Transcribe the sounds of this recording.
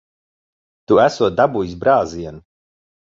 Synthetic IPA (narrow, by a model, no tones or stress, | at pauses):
t̪uæsuɔt̪̚d̪abujis̬bɾaːziɛnu